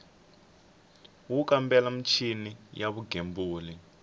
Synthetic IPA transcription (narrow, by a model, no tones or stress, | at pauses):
wukambɛlam̩t͡ʃʰinijaβuɡʱembuːli